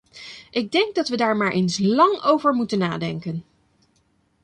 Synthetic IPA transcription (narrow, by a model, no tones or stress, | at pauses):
ʔɪɡ̚dɛŋɡ̚dɑtʋədaːɹmaːɹʔejnslɑŋowvəɹmutənːa̰ːdɛŋkən